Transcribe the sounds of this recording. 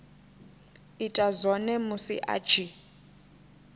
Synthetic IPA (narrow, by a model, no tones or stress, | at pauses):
itʼazʷɔnɛmusḭʔa̰̥d͡ʒʱi